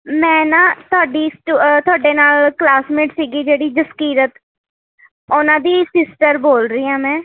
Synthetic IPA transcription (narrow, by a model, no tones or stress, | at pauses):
mɛ̃ːnãːt̪ʊaːɖiːsʈut̪ʊaːɖeːnaːlklaːsmeːʈsiːɡiːd͡ʒeːɽiːd͡ʒəskiːɾət̪ | ʊnãːd̪iːsɪsʈəɾboːlɾəiːãːmɛ̃ː